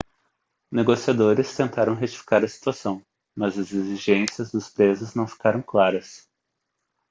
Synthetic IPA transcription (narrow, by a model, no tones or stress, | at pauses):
neɡosiad̪oɾɪst̪ẽnt̪aɾɐ̃w̃ɦet͡ʃi̥fi̥kaɾɐsi̥t̪uasɐ̃w̃ | mɐzɐzeziʒẽsiɐzd̪ʊspɾezʊznɐ̃w̃fi̥kaɾɐ̃w̃klaɾɐs